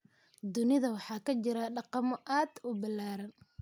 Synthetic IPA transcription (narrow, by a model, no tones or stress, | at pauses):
d̪ʊnɪðɐwɑħɑːkʰɐt͡ʃɪɾɐɖɑqɑmɔʔaːd̪ʊbɪlːaːɾɐn